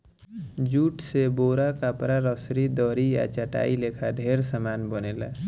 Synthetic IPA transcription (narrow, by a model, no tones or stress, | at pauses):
d͡ʒuʈseboɾakapɾaɾʌsɾid̪ʌɾija̰t͡ʃaʈa̰ilekʰaɖʱeɾsamanbʌnela̰